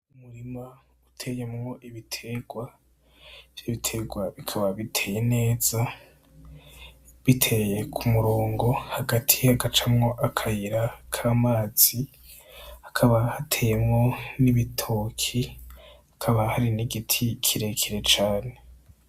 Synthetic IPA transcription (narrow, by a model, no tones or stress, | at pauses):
umuɾima | utʰe̞jemŋo̞ʔiβitʰeɡ̥wa | eβitʰe̞ɡwaβikʰaβaβitʰe̞ːje̞ne̞ːz̥a | βitʰe̞je̞kʰumuɾoːŋɡo̞haɡatʰiaɡat͡ʃamŋo̞ʔakʰajiɾakʰaːmaːz̥i | hḁkʰaβahatʰe̞ːje̞mŋo̞niβitʰokʰiakʰaβahaɾiniɡitʰikʰiɾe̞kʰiɾe̞t͡ʃaːne̞